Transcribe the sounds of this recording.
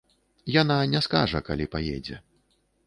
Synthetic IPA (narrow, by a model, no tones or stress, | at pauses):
jananʲɛska̰ʐɐka̰lʲipajɛ̰d͡zʲɛ̰